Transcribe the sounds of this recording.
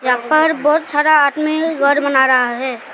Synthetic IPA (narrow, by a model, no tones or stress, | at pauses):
japəɾbɔːt̪saɾaːt̪mikɡʱəɾbənaɾəɦaɦɛ